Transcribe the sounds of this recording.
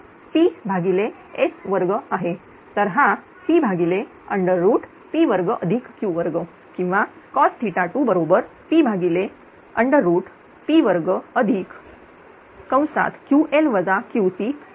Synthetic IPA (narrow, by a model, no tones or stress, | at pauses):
fibʱaɡile | esʋəɾɡəaɦe | t̪əɾɦã | fibʱaɡile | əɳɖəɾːuːʈ | piʋəɾɡəʔəd̪ʱikkːjuʋəɾɡə | kĩw̃ʋa | kɔst̪ʰiʈaʈubəɾobəɾpiːbʱaɡile | əɳɖəɾːuːʈ | piʋəɾɡəəd̪ʱiːk | kə̃w̃sa̰t̪kjuʔelʋəd͡zakjusi